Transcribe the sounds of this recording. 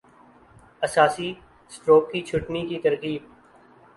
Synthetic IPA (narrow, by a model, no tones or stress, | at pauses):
ɐsaːsi | sʈɾoːkːit͡ʃʰʊʈnikit̪ɐɾkiːb̚